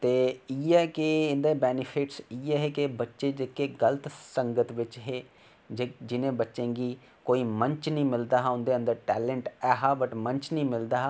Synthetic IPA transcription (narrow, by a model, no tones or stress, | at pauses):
t̪eːiːɛːkɪɪnd̪ebɛːnɪpʰɪʈsiːɛːɦeːkɪbətːʃed͡ʒeːkeɡələt̪səŋɡət̪ʋɪt͡ʃɦeː | d͡ʒed͡ʒɪnẽːbətːʃẽːɡiː | koːiːmə̃ɲt͡ʃnĩːmɪld̪aːɦaʊ̃nd̪eːə̃nd̪əɾʈɛːleɳʈɛːɦaːbəʈmə̃ɲt͡ʃnĩːmɪld̪aːɦ